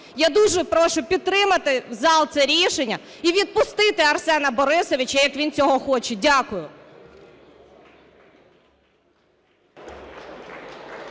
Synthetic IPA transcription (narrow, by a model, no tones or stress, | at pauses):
jad̪uʒɛpɾɔʃʊpʲid̪̚t̪ɾɪmɐt̪ɪzɑlˠt̪sɛɾʲiʃenʲːɐiʋʲid̪̚pʊst̪ɪt̪ɪɐrsɛnɐbɔɾɪsɔʋʲit͡ʃɐjɐkʋʲint͡sʲɔɦɔxɔt͡ʃɛdʲakʊjʊ